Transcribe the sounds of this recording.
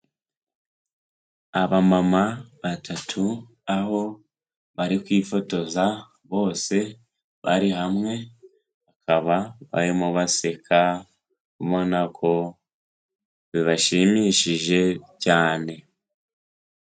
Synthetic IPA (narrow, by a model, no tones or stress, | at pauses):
aβamamaβatʰatʰu | aɦo̞ | βaɾikwiːfo̞to̞za | βo̞ːse̞ | βa̰ɾiɦamŋe̞ | akʰaβaβa̰ɾimuβase̞kʰa | kuβo̞nakʰo̞ | βiβaʃimiːʃiʒe̞caːne̞